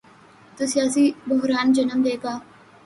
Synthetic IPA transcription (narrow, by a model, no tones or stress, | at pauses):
t̪usijaːsibʊɦɾaːnd͡ʒɐnəmd̪eːkaː